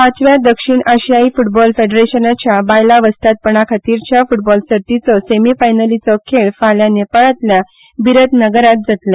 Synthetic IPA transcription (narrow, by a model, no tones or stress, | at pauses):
at͡sʋjad̪əkʂiːɳʔəɕjaifuʈbɔlfeɖɾeɕənat͡ɕjabajlaʋəst̪at̪̚pəɳ̃akʰat̪iːɾt͡ɕjafuʈbɔlsəɾt̪it͡sɔsemifajnəlit͡sɔkʰeɭfaljanepəɭət̪lja | biɾət̪nəɡəɾat̪̚d͡zat̪le